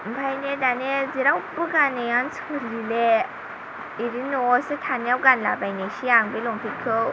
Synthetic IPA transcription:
m̩pʰajnedaneziɾawpɯɡanejansʰkɯɾile | iɾinɔsɯtʰanjawɡanlabajneɕiaŋbelɔŋpʰikʰɯ

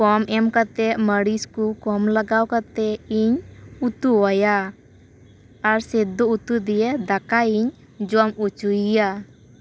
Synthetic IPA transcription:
kɔmʔɛmkat̪ɛməɽiskukɔmlaɡawkat̪ɛiɲut̪uwaja | ɾsɛd̪uut̪ud̪ijed̪akaiɲ | d͡ʒɔmut͡ʃujija

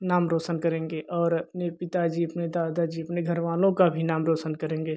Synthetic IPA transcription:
naːmɾoːsənkəɾẽːŋɡeʔɔːɾəpnepɪt̪ad͡ʒiəpned̪aːd̪ad͡ʒiəpneɡʱəɾʋaːlõkabʱinaːmɾoːsənkəɾẽːŋɡe

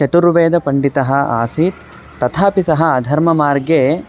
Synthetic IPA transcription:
t͡ʃɐt̪uɾʋeːd̪ɐpɐɳɖit̪ɐɦɐ̆aːsiːt̪ː | ɐt̪ʰaːpisɐɦɐːd̪ʱɐɾmɐmaːɾɡeː

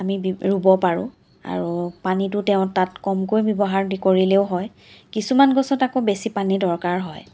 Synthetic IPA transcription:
amiɹubɔpaɹʊ̰̃ | a̰ɹupanitʊteʊ̃tatkɔmkojbjɔbɔɦaɹdikoɹileʊɦɔj | kisumanɡɔsɔtakobesipanidɔɹkaɹɦɔj

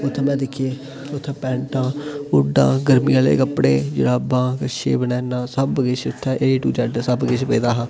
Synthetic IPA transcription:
ʊt̪ʰːeːmɛ̃ːd̪ɪkʰieː | ʊt̪ʰːẽːpɛ̃ːɳʈãːʊɖã̰ːɡəɾmiːãːlḛːkəpːɽeːd͡ʒɪ̰ɽaːpːãːkəʃḛːbənɛːnãːsəbɡɪt͡ʃʊt̪ʰːɛ̃ːʔeiːʈṵːt͡ʃaːɖsəbɡɪt͡ʃʰpeːd̪aːɦãː

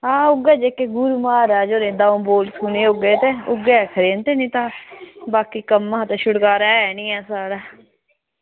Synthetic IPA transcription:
ãːʊɡɛːd͡ʒeːkːeːɡʊɾumaːɾɛːd͡ʒoːɾẽːd̪ãːũːboːlsʰuːneːʊɡeːt̪eʊɡekʰəɾeːnt̪eːnĩːt̪ãːbaːkiːkəmːãːt̪eːʃʊɽkaːɾɛːɛnĩːɛːsaːɾaː

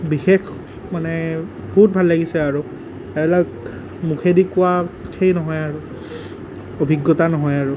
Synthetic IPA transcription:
bixex | manɛbɔɦut̚bʱalːaɡisɛaɹu | ɛbɛlak | mukʰedikʊwakʰejnɔɦɔjaɹu | obʱiɡːɔtanɔɦɔjaɹʊ

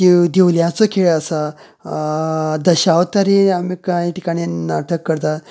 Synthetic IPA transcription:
kid̪ewljãt͡sokʰeɭəsa | d̪əɕawt̪aɾiamikajʈikaɽ̃inaʈ̪ʰəkːəɾt̪a

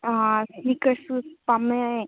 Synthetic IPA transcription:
aspikəɾsspame

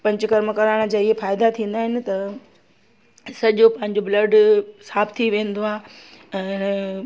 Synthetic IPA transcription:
pɐ̃ɲt͡ɕʊkɐɾməkɐɾaːɽ̃̆d͡ʑaːɪɦefaːɪd̪at̪ʰĩːnd̪aːɦɪnɪ̆t̪ɐ | sɐʄopɐ̃ɦɪ̃ɲd͡ʑoblɐɖsaːbt̪ʰiʋẽːn̆d̪oaːɛ̃ː

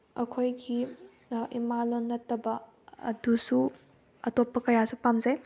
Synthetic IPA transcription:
ɐkʰojɡi | imalonːɐtɐbɐ | ɐ̰dusu | ɐtopːɐkɐjasupamzaj

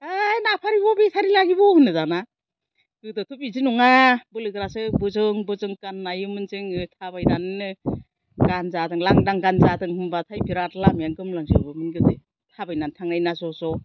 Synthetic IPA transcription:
ajnapʰaɾibɔbitʰaɾilaɡibɔhɯnɯzana | kɯdɯtʰupizinuŋabɯlɯɡɾasɯbɯzɯŋbɯzɯŋkanːajɯmɯnzɯŋɯtʰabajnanɯ | ɡ̥anzadɯŋlaŋdaŋɡanzadɯŋhɯmbatʰajbiɾatlamjaŋɡɯmlaŋsɯ̰bɯmɯnɡɯde | tʰabajnantʰaŋnajnazɔsɔ

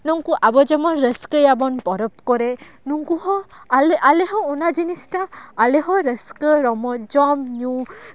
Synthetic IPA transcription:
nuŋkuʔabɔd͡ʒɔmɔɾəskəjabɔnpɔɾɔp̚kɔɾe | nuŋkuɦɔleʔaleɦɔɔnad͡ʒinisʈaːleɦɔɾəskəɾɔmɔd͡ʒɔmɲu

